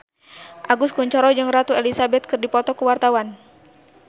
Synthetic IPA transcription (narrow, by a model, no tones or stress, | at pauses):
ʔaɡuskuɲt͡ʃɔɾɔd͡ʒɨŋrat̪uelisabɛt̪̚kɨrdipɔt̪ɔkuwart̪awan